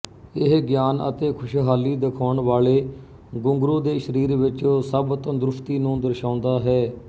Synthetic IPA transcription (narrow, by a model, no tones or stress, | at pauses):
ɪɦɡjaːnə̰t̪eːkʰʊʃɦaːliːd̪ɪkʰaːʊɳʋaːleː | ɡʊŋɡɾuːd̪eːʃəɾiːɾʋɪt͡ʃoːsəbt̪ãːd̪ɾʊft̪iːnũːd̪əɾʃãːʊnd̪aːɦɛː